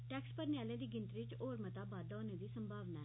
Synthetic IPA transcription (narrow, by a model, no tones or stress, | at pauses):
ʈɛːkspəɾnjaːlẽːd̪iːɡɪnt̪ɾiɪt͡ʃoːɾmət̪aːbaːd̪aoːneːd̪iːsəmbʱaːʋnaɛː